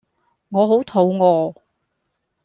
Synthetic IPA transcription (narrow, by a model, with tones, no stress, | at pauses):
ŋɔː˨˧ɦo˨˥wt̪ʰo˨˧wŋɔː˨˧